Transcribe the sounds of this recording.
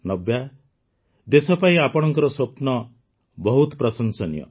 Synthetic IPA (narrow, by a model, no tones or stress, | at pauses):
nɔbja | d̪esɔpaĩapɔɽ̃ɔŋkɔɾɔswopnɔ | bɔɦut̪ɔpɾɔsɔnsɔnjɔ̰